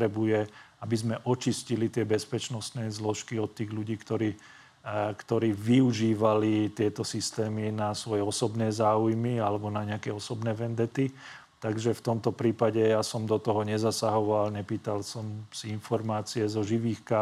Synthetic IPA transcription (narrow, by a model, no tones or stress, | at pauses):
ɾɛbujɛabizmɛʔɔt͡ʃiscilit̪ɪɛbɛspɛt͡ʃnɔst̪nɛzlɔʃkiɔt̪ːiːɣʎuɟiːkt̪ɔɾiː | kt̪ɔɾiːʋiuʒiːʋalit̪ɪɛt̪ɔsist̪ɛːminasʋɔjɛɔsɔbnɛːzaːujmialɛbɔnaɲɛakɛɔsɔbnɛːʋɛnd̪ɛt̪i | t̪aɡʒɛft̪ɔmt̪ɔpɾiːpaɟɛjasɔmd̪ɔt̪ɔɦɔɲɛzasaɦɔʋalɲɛpiːt̪alsɔmsiinfɔɾmaːt͡siɛzɔʒiʋiːxka